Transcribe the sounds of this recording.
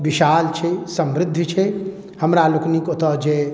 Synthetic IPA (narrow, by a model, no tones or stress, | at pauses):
ʋiʃaːlt͡ʃʰɛsə̃mɾɪd̪ʱːt͡ʃʰɛ | həmɾaluknikot̪ɔd͡ʒeː